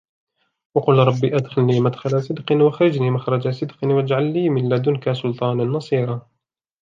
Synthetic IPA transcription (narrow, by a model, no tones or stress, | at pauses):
wɑqʊlɾˤɑbːiːʔad̪xalːiːmad̪xalasˤɨd̪qɪnwaxɾɪd͡ʒniːmaxɾˤɑd͡ʒasˤɨd̪qnwad͡ʒʕalːiːmɪlːad̪ʊnkasʊlt̪ˤɑːnanːɑsˤiːɾˤɑ